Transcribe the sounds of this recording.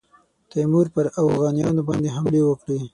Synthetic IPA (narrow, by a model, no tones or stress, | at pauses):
t̪amuɾpəɾafɣɑnijɑnobɑnd̪eɦamlewəkɽi